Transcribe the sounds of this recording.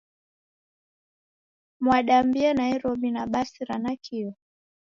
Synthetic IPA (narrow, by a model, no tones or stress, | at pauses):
mwaɗambiɛnaiɾɔbinaɓasiɾanakʰiɔ